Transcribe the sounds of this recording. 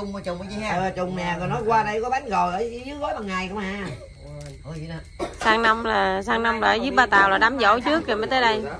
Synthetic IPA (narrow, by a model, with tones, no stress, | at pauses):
ʊ˨˩ŋ͡mt͡ɕʊ˨˩ŋ͡mʔə˨˩t͡ɕʊ˨˩ŋ͡mnɛ˨˩ŋɨ˨˩jnɔ˨˦jkwaː˧ɗə˧jkɔ˨˦ɓa˨˦nɣɔ˨˩jʔəː˧˩˧ɲɨ˨˦ŋɣɔ˨˦jt̪a˨˩ŋŋa˨˩jkʊ˧˦ŋ͡mhaː˧˨˧ | saː˧ŋna˧mlaː˨˩saː˧ŋna˧wmla̰ː˨˧˩zɨ˦˥p̚ɓaː˧t̪aː˨˩wlaː˨˩ɗaː˨˦mzo̰˧˩˦t͡ɕɨ˦˥ək̚ːə˨˩maː˨˦jt̪əː˨˦jɗə˧j